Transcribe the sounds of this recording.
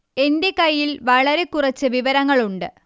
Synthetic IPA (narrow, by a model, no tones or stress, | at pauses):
e̞nde̞kɐjːilʋɐɭɐɾe̞kurɐt͡ɕːɨʋiʋɐɾɐŋːɐɭuɳɖɨ